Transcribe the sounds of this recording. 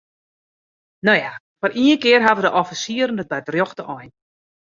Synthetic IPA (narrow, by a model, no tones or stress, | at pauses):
noja | fɔrʔiənkɪərɦaʋədəʔɔfisiəɾən̩dət̚bɛjtrjoxdəʔɔjn